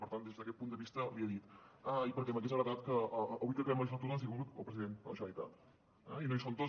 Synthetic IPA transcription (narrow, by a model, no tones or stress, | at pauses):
pəɾt̪and̪ezðəkɛt̪̚pund̪əβist̪əliəðit̪əipəɾkɛmək̬ezβɾəðat̪kəəːβujkəkəβɛməlif̬at̪unəsiuɾut̪ə̰pɾəziðenələʒaɾit̪a̰t̪ | ɛ̰inojsont̪o